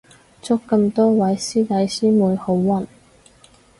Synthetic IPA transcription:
t͡sʊ˥kːɐ˧mt̪ɔː˥wɐ˨˥jsiː˥t̪ɐ˨˥jsiː˥muː˨˧jho˨˧˥wːɐ˨˩n

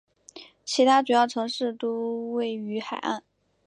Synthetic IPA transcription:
t͡ɕʰi˧˥t̪ʰa˥ʈ͡ʂu˨˩jɑ˥˩ʊʈ͡ʂʰɤ˧˥ŋʂɻ̩˥˩t̪o˥we˥˩ɪy˧˥xa˨˩ɪʔa̰˥˩n

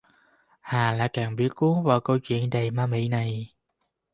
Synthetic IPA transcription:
haː˨˩la̰ː˧˥kaː˨˩ŋɓi˦˥ət̚ku˨˦əŋvaː˨˩wkə˧wt͡ɕwḭ˧˨ənɗə˨˩jmaː˧mḭ˧˥na˨˩j

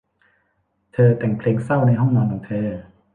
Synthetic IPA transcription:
t̪ʰɤː˧t̪ɛ˨˩ŋpʰleː˧ŋsa˥˩wna˧jɦɔ˥˩ŋnɔː˧nkʰɔː˨˦ŋt̪ʰɤː˧

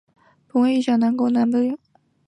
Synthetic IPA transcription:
pu˧˥we˥˩i˥˩ɕjɑ˥˩ŋna˧˥ŋko˥˩ʊna˧˥np̪ə˥ju˥˩˦ŋ

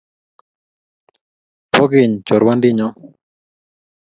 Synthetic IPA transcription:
pɔ˦ɡɪ˨ɲt͡ʃɔ˨ɾwa˦ndi˦ɲɔ˦

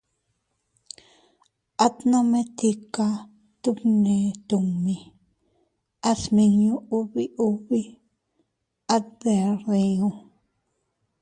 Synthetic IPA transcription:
a˦t̪nã˦mẽ˦t̪i˧ka˧ | t̪u˦pnẽ˨t̪u˨mĩ˨ | a˦smĩ˧ɲũ˦u˦βi˦ʔu˦βi˦ | a˦d̪e˨rĩ˧ũ˧

